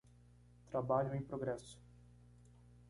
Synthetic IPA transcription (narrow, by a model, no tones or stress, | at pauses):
t̪ɾabaʎʊẽj̃pɾoɡɾɛsʊ̥